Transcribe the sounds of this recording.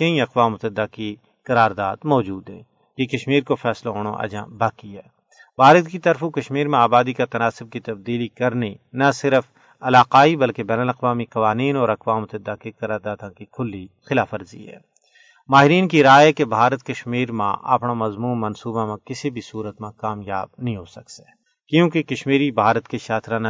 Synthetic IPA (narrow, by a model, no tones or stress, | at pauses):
kɐĩɐqʋaːmʊt̪əd̪ːaki | kɐɾaːɾd̪aːd̪mɔːd͡ʒuːd̪ɦɛ̰̃ | kekɐʃmiːɾkofʰɛːslaɦoːɽ̰̃ʔɐ̰d͡ʒã̰ːbaːkiɦɛː | bʱaːɾət̪kit̪ɐɾfũkɐʃmiːɾmẽaːbaːd̪ikat̪ɐnaːsɪb̚kit̪ɐbd̪iːlikɐɾnenɐsɪɾf | ɐlaːqaːibɐlkebɛːnəlɐqʋaːmiqɐʋaːniːnɔːɾɐqʋaːmt̪ɪd̪aːkekɐɾaːd̪aːt̪ãkikʰʊlːixɪlaːfəɾzḭɦɛ̰ː | maːɦɪɾiːnkiɾaːɦɛkebʱaːɾət̪kɐʃmiːɾmã̰ʔɐ̰pnamɐzmuːnːɐnsuːbamẽkɪsibʱisuːɾət̪mãkaːmjaːb̚nɐɦĩɦoːsɐkse̥ː | kjõːkekɐʃmiːɾibʱaːɾət̪keʃaːt̪ʰɾãn